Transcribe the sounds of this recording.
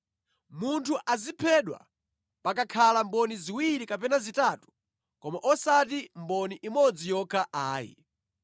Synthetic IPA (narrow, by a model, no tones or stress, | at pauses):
muntʰuʔazipʰɛɗwa̰ | pak̬akʰalambɔniziwiɾikapɛnazitaːtu̥ | kɔmaʔɔsat̬imbɔniʔimɔd͡zijɔkʰaʔaːjḭ